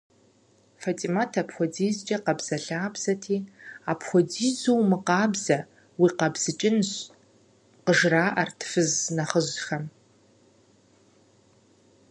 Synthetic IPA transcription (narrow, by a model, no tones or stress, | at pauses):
fatʼimatʰapxʷɔdiːzt͡ʃʼɐqɐbz̥ɐɬaːbz̥ɐtʰiːapʰχʷɔdiːzuwmɨqɑːbzɐ | wiːqɐbz̥ɨt͡ʃʼɪnɕ | qəʒraːʔɐrtʰfɨznɐχəʑxɐm